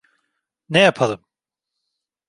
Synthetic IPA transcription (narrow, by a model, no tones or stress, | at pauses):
nɛjapʰalˠɯm